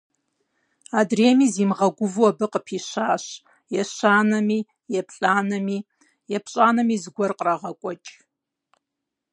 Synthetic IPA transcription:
adreːmizimʁɐɡʷʊvuabɨqʼəpʰiʃʷaːʃ | jɛʃaːnɐmi | jɛpʰɬʼaːnɐmi | jɛpʰɕʼaːnɐmizɡʷɔrqʼraʁakʷʼɔt͡ʃʼ

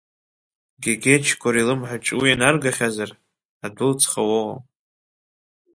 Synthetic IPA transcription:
ɡʲaɡʲet͡ʃʰkʷʰʼaɾilɨmħʷaʈ͡ʂʼwianarɡaχʲazar | adʊlt͡sʰχawoa

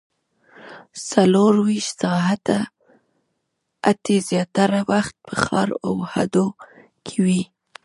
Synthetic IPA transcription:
saloɾwiʃt̪sɑɦat̪a | at̪ezjɑt̪aɾawaxt̪̚ppʰəxɑ̰ɾawha̰d̪o | kʰewi

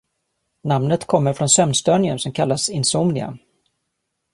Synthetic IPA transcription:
namnət̪kʰɔmːəɾfɾɔnsœmnst̪œɳɪənsɔmkʰalːasɪnsomnɪa̰

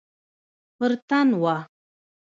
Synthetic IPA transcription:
pəɾt̪anwa

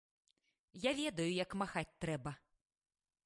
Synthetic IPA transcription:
javʲɛd̪ɐjujɐkmaxat͡sʲt̪ɾɛbɐ

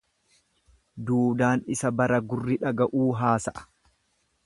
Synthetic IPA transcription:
d̪uːd̪aːnɪsɐbɐɾɐɡʊrːɪᶑɐɡɐʔuːɦaːsɐʔɐ̥

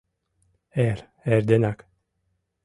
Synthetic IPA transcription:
ɛɾ | ɛɾd̪enak

